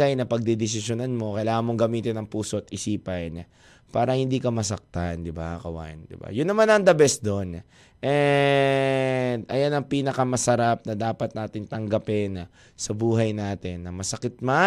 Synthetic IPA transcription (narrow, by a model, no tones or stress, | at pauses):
ajnɐpɐɡ̚d̪ɛd̪ɪs̬ɪʃjonanmo̞kɐjlaːŋɐnmo̞ŋɡɐmiːt̪ɪnɐŋpuːsoʔɐt̪̚ʔɪsiːpɐjn | paːɾɐhɪnd̪iːkɐmɐs̬ɐk̚t̪and̪ɪbakɐwa̰nd̪ɪ̰ba̰jʊnːɐmanɐŋd̪ɐbɛsd̪o̞n | ʔɛ | d̪ɐjanɐŋpiːnɐkɐmɐsɐɾap̚nɐd̪aːpɐt̪̚naːt̪ɪŋt̪ɐŋɡɐpɛnɐ | sɐbuːɦɐjnaːt̪ɪnːɐmɐsɐkɪt̪̚ma